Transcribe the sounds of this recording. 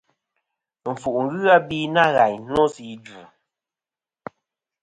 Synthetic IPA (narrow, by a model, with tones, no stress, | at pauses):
ɱ̩˨fu˨ʔŋ̩˨˦ɣɯ˦a˦bi˦na˦ɣa˨ɲ˦nɔ˦zi˨˦d͡ʒu˨